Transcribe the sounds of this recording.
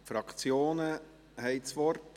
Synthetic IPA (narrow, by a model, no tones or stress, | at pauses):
fɾɑkt͡sjoːnə | hɛɪt͡sʋɔrt